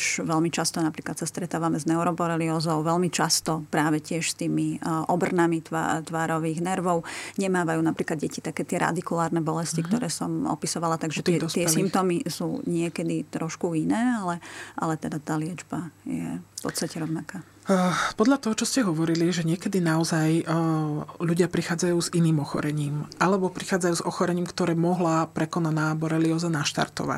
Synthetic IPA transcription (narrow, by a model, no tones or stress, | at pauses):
ʃʋɛlmit͡ʃast̪ɔnapɾiːklat̪sast̪ɾɛt̪aːʋamɛznɛʊɾɔbɔɾɛliɔzɔʊʋɛlmit͡ʃast̪ɔpɾaːʋɛcɪɛʃst̪iːmiʔɔbr̩namit̪ʋa̰t̪ʋaːɾɔʋiːɣnɛɾʋɔʊɲɛmaːʋajuːnapɾiːklad̪ɟɛcit̪akɛːt̪ɪɛɾa̰d̪ikulaːɾnɛbɔlɛscikt̪ɔɾɛːsɔmɔ̰pisɔʋalat̪aɡʒɛt̪ɛsɪɛssimp̚t̪ɔmisuːɲɪɛkɛd̪it̪ɾɔʃkuinɛːalɛʔa̰lɛt̪ɛd̪at̪aːlɪɛd͡ʒbajɛ̰fpɔ̰t̪st̪acɛɾɔʊnakaː | pɔd̪lʎat̪ɔɦɔt͡ʃɔscɛɦɔʋɔɾiliʒɛɲɪɛkɛd̪inaɔzaj | ʎuɟɪapɾixaːd͡zajuːziniːmɔxɔ̰ɾɛɲiːmʔalɛbɔpɾixaːd͡zajuːzɔxɔɾɛɲiːmkt̪ɔɾɛːmɔɦlapɾɛkɔnanaːbɔɾɛliɡɔzanaʃt̪a̰ɾt̪ɔ̰ʋa̰c